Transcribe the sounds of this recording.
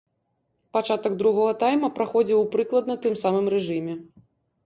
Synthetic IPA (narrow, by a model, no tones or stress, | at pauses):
pat͡ʂat̪ɐɡd̪ɾuɣɔɣɐt̪ajmɐpɾaxɔd͡zʲiwpɾɨklˠɐd̪nɐt̪ɨmsamɨmrɛʐɨmʲɛ